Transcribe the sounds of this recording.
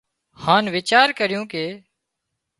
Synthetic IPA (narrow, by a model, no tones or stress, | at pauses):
haːnʋɪt͡ʃaːɾkəɾɪjõːkeː